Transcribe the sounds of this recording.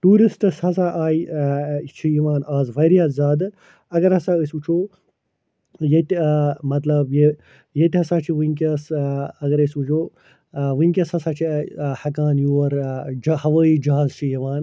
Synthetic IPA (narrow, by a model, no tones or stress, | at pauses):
ʈuːɾisʈɨshɐsaʔaːj | t͡ʃʰijiʋaːnaːzʋɐɾjaːzaːd̪ɨ | ɐɡɐɾɐsaəswut͡ʃʰoː | jet̪ʲmɐt̪lɐbje | jet̪ʲɦɐsaːt͡ʃʰiʋiŋkʲɐːsɐɡɐɾəsʋut͡ʃʰoː | ʋɨŋkʲɐshɐsaːt͡ʃʰihɐkaːnjuːɐɾd͡ʒhɐʋəːid͡ʒɐɦaːzt͡ʃʰijiʋaːn